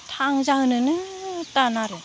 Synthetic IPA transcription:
tʰaŋzaɦɯnɯnɯtanaɾɯ

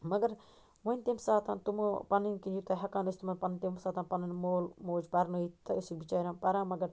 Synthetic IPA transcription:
mɐɡɐɾ | ʋɐnʲt̪emsaːt̪ãnt̪umpɐninkind͡ʒut̪ɐɦɐkãːnɐst̪umɐnpɐnnt̪emsaːt̪ãːnpɐnɐnmoːlmoːd͡ʒpɐɾnoiːt̪ɐusikbit͡ʃaːɾãːnpɐɾãːmɐɡɐɾ

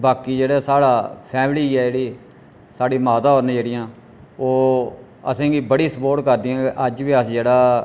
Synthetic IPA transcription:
baːkiːd͡ʒeːɽaːsaːɽaːpʰɛːmliːɛːd͡ʒeːɽiː | saːɽiːmaːt̪aːɦoːɾneːd͡ʒeːɽɪjãː | oː | ə̰sẽːɡiːbəɽiːsəpoːɾʈkəɾd̪iːjãːkʔəd͡ʒʋiːəsd͡ʒeːɽaː

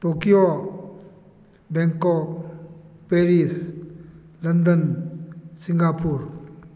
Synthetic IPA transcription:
tokijo | bɛŋkɔk̚ | peɾis | lɐndən | siŋɡapuɾ

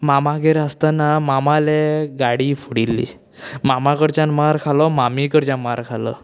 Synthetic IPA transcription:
mamaɡeɾəst̪anamamaleɡaɽiːfuɽilːḭ | mamãkəɾt͡ɕanmaɾkʰalɔmamikəɾt͡ɕjãnmaɾkʰalɔ̰

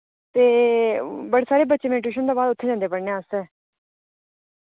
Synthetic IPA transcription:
t̪eː | bəɽeːsaːɾeːbətːʃeːmɛːʈɾeːʃənd̪aːbaːd̪ʊt̪ʰːeːd͡ʒãːnd̪eːpəɽneãːsɛː

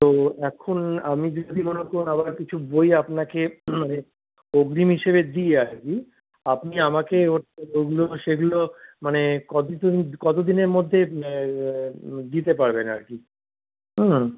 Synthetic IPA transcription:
t̪oɛkʰonamid͡ʑod̪ʱimonekoɾnabaɾkit͡ɕʰubojapnakemane | oɡɾimɦiʃeβed̪ieaɾki | apniamakeoʈoɡuloʃeɡulomanekɔt̪it̪kɔt̪̬od̪ineɾmod̪ʱːe | d̪it̪̬epaɾbena̰ɾki | ɦ̩

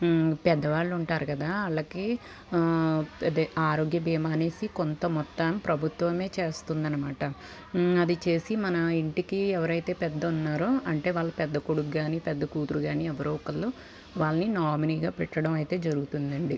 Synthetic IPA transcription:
pɛd̪ːɐʋaːɭːuɳʈaːɾukɐd̪aːɐɭːɐki | d̪eaːɾo̞ːɡjɐbiːmaːneːsikont̪ɐmɔt̪ːaːmpɾɐbʱut̪ʋɐme̞ːt͡ʃe̞ːst̪und̪ɐnːɐmaːʈɐ | ɐd̪it͡ʃe̞ːsimɐnɐiɳʈikiɛʋɐɾɐjt̪e̞ːpɛd̪ːɐunːaːɾoɐɳʈe̞ːʋaːɭːɐpɛd̪ːɐkoɽukɡaːniːpɛd̪ːɐkuːt̪uɾuɡaːniɛʋɐɾuːɔkɐlːu | ʋaːɭːɐninaːɾminiːɡaːpɛʈːɐɽɐmɐjt̪e̞ːd͡ʒɐɾuɡut̪und̪ɐɳɖi

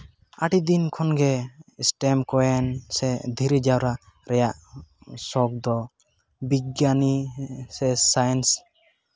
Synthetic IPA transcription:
aʈid̪inkʰɔnɡɛsʈɛmkɔɛnsɛd̪ʱiɾid͡ʒawɾa | ɾɛjaʔsɔk̚d̪ɔ | biɡjanisɛsajɛns

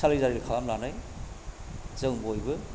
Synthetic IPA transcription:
salijzaɾilɯkʰalamlanɯj | z̥ɯŋbojbɯ

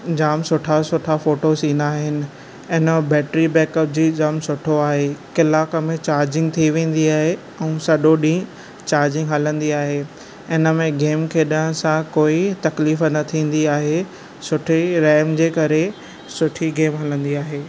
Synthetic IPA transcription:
d͡ʑaːmsʊʈʰasʊʈʰafoːʈosĩːnd̪aːɦɪnɪ̆ | ɪnəbɛːʈɾibɛːkəp̚d͡ʑiːd͡ʑaːmsʊʈʰoaːɦekɪlaːkəmẽt͡ɕaːɾd͡ʑɪ̃ŋɡ̚t̪ʰiʋẽːn̆d̪iaːɦe | ɛ̃ũːsɐɗoɗĩ | t͡ɕaːɾd͡ʑɪ̃ŋɡɦɐlə̃nd̪iaːɦeː | ɪnə̆mẽɡeːmkʰeːɗəɽ̃sãkoːit̪ɐkliːfnɐt̪ʰĩːn̆d̪iaːɦe | sʊʈʰiɾɛːmd͡ʑeːkɐɾe | sʊʈʰiɡeːmɦɐlə̃nd̪iaːɦeː

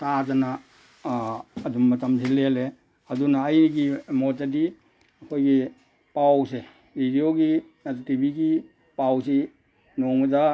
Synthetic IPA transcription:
tad͡ʒana | dumːɐtamselele | adunaːjniɡimod͡ʒadi | ɐkʰojɡi | pawse | bʱidioɡi | adtibiɡi | pawsi | noŋda

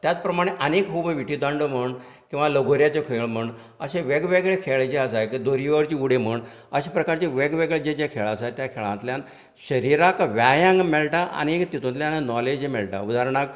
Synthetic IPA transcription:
t̪jat͡spɾəmaɽ̃eʔənekɦubʋiʈid̪ãɳɖəm̤əɳ | kĩw̃ʋaləɡʱoɾjat͡sekʰeɭm̤əɳɖ | əɕẽʋeɡʋeɡɭekʰeɭd͡ʑeəsajkid̪oɾiʋəɾt͡ɕiːuɽ̤em̤əɳ | əɕepɾəkaɾt͡ɕeʋeɡʋeɡɭed͡ʑed͡ʑekʰeɭaəsajt̪jakʰeɭãnt̪ljan | ɕəɾiɾakʋjajãŋɡmɛlʈaʔa̰ñeekt̪it̪ũnt̪ljananɔled͡ʑemɛɭʈa̰ud̪ʱaɾɳak

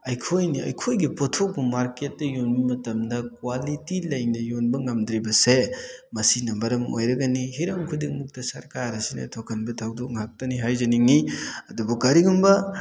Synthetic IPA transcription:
ɐjkʰojniɐ̰jkʰojɡipotʰok̚bumaɾket̚ːɐjonmimɐtɐmdɐkwalitilɐjŋnɐjonbɐŋɐmdɾibɐsemɐsinɐmɐɾɐmo̰jɾɐɡɐniɦiɾɐmkʰudiŋmuk̚tɐsɐɾkaɾɐsinɐ̰tʰokʰɐnbɐtʰawdok̚ŋhak̚tɐniɦajzɐniŋiɐdubuɡaɾiɡumbɐ

